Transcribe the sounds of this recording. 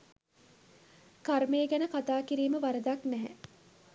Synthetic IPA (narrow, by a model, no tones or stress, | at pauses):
kaɾmejəɡænəkat̪aːkiɾiːməʋaɾəd̪aknɛɦɛ